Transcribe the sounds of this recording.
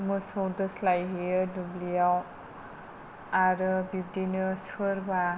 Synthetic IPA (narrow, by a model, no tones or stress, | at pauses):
mɯsowdɯslajɦijɯdublijaw | aɾɯbib̚dinɯsʰɯɾba